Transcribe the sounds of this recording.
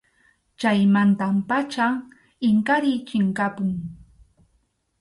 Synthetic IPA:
t͡ʃajmant̪ampat͡ʃa | ɪŋkaɾɪt͡ʃɪŋkapʊŋ

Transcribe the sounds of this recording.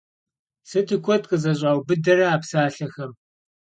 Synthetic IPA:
sɨtʰikʷʰɔtqʼəzɐɕʼaːwbɨdɐrɐaːpsaːɬɐxɐm

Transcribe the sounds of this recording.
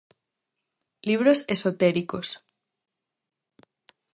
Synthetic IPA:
liβ̞ɾosesot̪eɾikos

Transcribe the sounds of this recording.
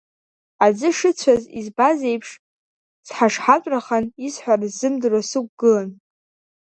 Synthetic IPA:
ad͡zɨʂɨt͡ɕʷʰazḭzbaze̞jpʰʂ | sħaʂħat͡ʃʷʼraχanizħʷarzzɨmdɨrasɨk̚ʷʼɡɨlan

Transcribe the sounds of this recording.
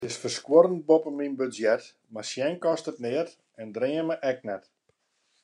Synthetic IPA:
tɪsfərskwoɾən̚bopəminbøzjɛt | marsjɛnkɔstətnɪət | ɛndrɪəməʔɛk̚nɛt

